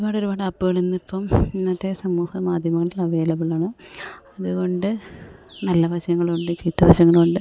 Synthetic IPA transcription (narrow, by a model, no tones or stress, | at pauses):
oubaːɽoɾubaːɽɨɐpːuɣɐɭenːipːɐminːɐt̪ːesɐmːuːhɐmaːd̪ʱjɐmɐŋːɐɭilɐʋe̞ːlɐʋiɭaːɳɐ | ɐðuɣo̞ɳɖɨnɐlːɐʋɐɕjɐŋːɐɭkoɳɖɨt͡ɕiːt̪ːɐʋɐɕjɐŋːɐɭko̞ɳɖɨ